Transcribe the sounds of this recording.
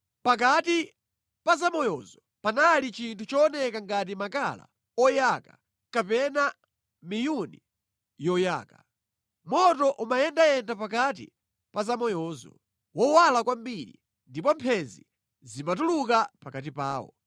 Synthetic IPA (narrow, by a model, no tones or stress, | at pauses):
pak̬ati | pazamɔjɔzɔ | panalit͡ʃintʰut͡ʃɔːnɛkaŋɡat̬imakala̰ | ɔjaka̰ | kapɛna | mijuni | jɔja̰ːka | mɔtɔʔumajɛndajɛndapakat̬ḭ | pazamɔjɔːzɔ̰ | wɔwalakwambiɾḭ | ndipɔmpʰɛzḭ | zimatulukapakat̬ipaːwɔ̰